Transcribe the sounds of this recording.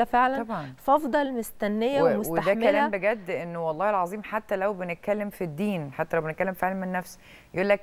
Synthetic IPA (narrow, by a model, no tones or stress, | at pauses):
feʕlæɑbʕɑnfʔɑfd̪ˤɑlmost̪ænːejːæwemosweaħd̪æmkælæːæmbeɡæd̪ːʔenːwɑlˤːɑːhelʕɑzˤiːmħat̪ːælæwbenet̪̚kælːemfid̪ːiːnħat̪ːælæwbenet̪̚kælːemfeʕlænmenːæfs | jeʔuːlːæk̚